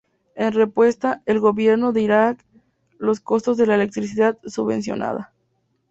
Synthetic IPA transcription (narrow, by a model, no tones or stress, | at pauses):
e̞nrepwe̞st̪aelɣo̞βje̞ɾno̞ðeiɾak | lo̞sko̞st̪o̞zðe̞laele̞k̚t̪ɾisiðat̪suββẽ̞̰ns̬jo̞̰na̰ða